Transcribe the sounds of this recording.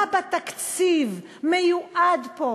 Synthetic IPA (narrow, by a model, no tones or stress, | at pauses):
bat̪akt͡siv | mejuʔad̪po